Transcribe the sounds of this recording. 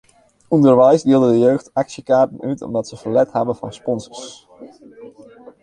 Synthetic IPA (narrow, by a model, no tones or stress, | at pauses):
ɔndəɹʋɛjsdɪlˠdədəjøːxtɑksjəkaːɹtənytɔ̰mdɑtsəvərlɛthɛbəvɑnspɔnzəɹs